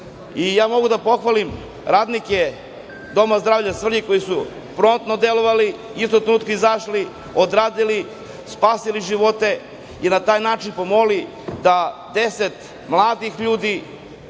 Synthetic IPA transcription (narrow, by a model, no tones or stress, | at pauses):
ijaːmo̞ɡud̪apo̞xʋalim | ɾaːd̪nike | d̪o̞mazd̪ɾaːvʎasr̩ɲiko̞jisu | pɾo̞nt̪nod̪elo̞ʋali | ist̪ot̪ɾenuːt̪kaizaʃli | od̪ɾaːd̪ili | spaːsiliʒiʋo̞t̪e̞ | inat̪aːjnaːt͡ʃinpo̞mo̞li | d̪ad̪eset̪ | mlˠaːd̪ixʎuːd̪i